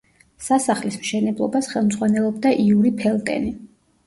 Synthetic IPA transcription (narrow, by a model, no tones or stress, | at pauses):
sasaχlismʃɛnɛblˠɔ̰basχɛlˠmd̪zʁwanɛlˠɔb̚d̪aʔiuɾipʰɛlˠk̪ʼɛ̰ni